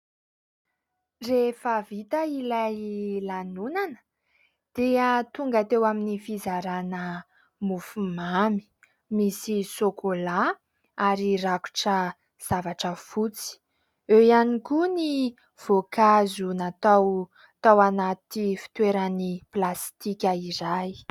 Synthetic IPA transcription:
refəvit̪əilajlanunanə̥ | d̪̥eat̪uŋɡat̪ewaminifizaɾanə | mufumami̥ | misisokola | aɾiraku̥ʈ͡ʂə | z̥avaʈ͡ʂəfut͡si̥ | ewianikuni | v̥okazunat̪aw | t̪awanat̪ifi̥t̪weɾaniplast̪ikʲəiɾaj

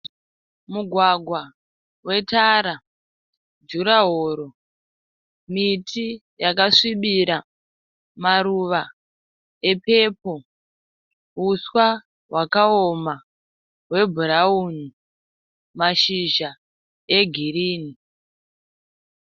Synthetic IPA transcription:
muɡʱwaɡʱwa | we̞taɾa | d͡ʒuɾaɦoɾo̞ | mitʰi | jakaʂiɓiɾa | maɾuʋa | e̞pepo̞ | uswa | wakaoma | we̞bʱuɾauni | maʃiʒa | eɡʱiriːni

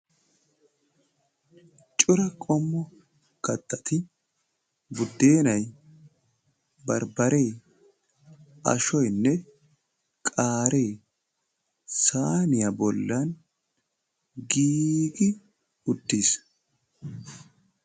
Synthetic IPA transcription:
t͡ʃʼʊɾɐkʼɔmːɔ | kɐt̪ʰʼːɐt̪ʰɪ | bʊd̪ːe̞ːnɐj | bɐɾbɐɾe̞ː | ɐ̰ʃɔjnːɛ | kʼaːɾʔe̞ː | saːnɪjɐbɔlːɐn | ɡiːkʼɪ | ʊd̪ːiːs

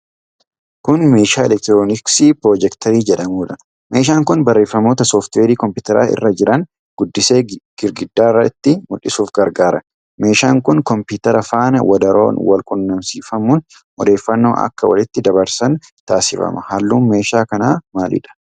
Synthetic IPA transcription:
kʊnme̞ːʃaːɛlɛk̚t̪ɾoːnɪksiːpɾoːd͡ʒɛkt̪ʰɐɾiːd͡ʒɛᶑɐmuːᶑɐ | meːʃ̬aːŋkʊnbɐrːe̞ːfːɐmo̞ːt̪ɐsoːft̪weːdiːkɔmpʊːt̪ɛɾa̰ːʔɪ̰rːɐd͡ʒɪɾɐn | ɡ̥ʊd̪ːɪse̞ːɡ̥ɪɾɡɪd̪ːaːɪrɐt̪ːɪmʊᶑɪsuːfɡɐɾɡaːɾɐ | me̞ːʃaːŋkʊnkɔmpɪt̪ɐɾɐfaːnɐwɐd̪ɐɾo̰ːnwɐlkʼʊnːɐmsiːfɐmun | ʔɔd̪e̞ːfːɐnːo̞̰ːʔɐ̰kːɐwɐ̰lɪt̪ːɪd̪ɐβɐɾsɐn | t̪aːsɪfɐ̰mɐ̰hɐlːuːnme̞ːʃaːkɐnaːmaːlɪ̰ᶑɐ̥

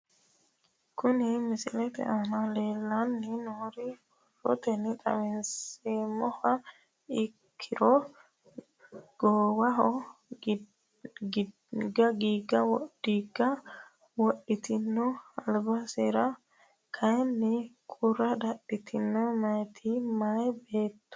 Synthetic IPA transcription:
kʊnɪmɪsɪlɛt̪ɛ̰ʔanale̞ːlːɐnːɪnoːɾɪhɔrɔ̰t̪ɛnːɪt̪ʼɐ̰mɛnseːmɔhɐ | ɪkʰːɪɾɔ | ɡ̥oːwɐɦɔ | ɡ | ɡɐɡiːɡɐwɔdiːɡɐ | wɔʔɪt̪ɪnːɔɐlbɐseːɾɐ | kʰɐjnːɪkʰʊrɐd̪ɐɗɪt̪ʰɪnːɔmɐjt̪ʰimɐjbeːt̪ːʊ̥

